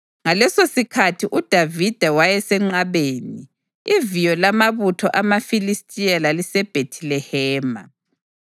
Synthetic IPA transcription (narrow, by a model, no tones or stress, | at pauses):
ŋalɛsosikʰatʰiʔud̥ʱavid̥ʱawajɛsɛŋ͡ǀaβeːni | ivijɔlamaβutʰɔʔamafilistʼijalalisɛb̥ʱetʰilɛhɛːma̰